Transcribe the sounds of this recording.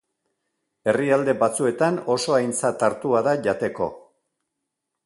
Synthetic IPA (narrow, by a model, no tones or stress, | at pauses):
e̞riald̪e̞bat͡sue̞t̪ano̞so̞ajnt͡sat̪aɾt̪uaðaʝat̪e̞ko̞̰